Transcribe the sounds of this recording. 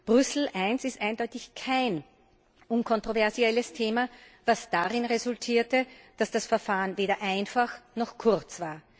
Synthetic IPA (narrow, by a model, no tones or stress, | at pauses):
b̥ʁʏsl̩ʔæɪnsɪstʔaɪndɔʏtɪçkʰaɪn | ʔʊnkʰɔntʁ̥ovɛɐziɛləstʰeːma | vasd̥aʁɪnʁezʊltʰiːɐtəd̥asd̥asfɛɐfaːənveːdɐʔæɪnfaxnɔxkʰʊʁt͡sv̥aːɐ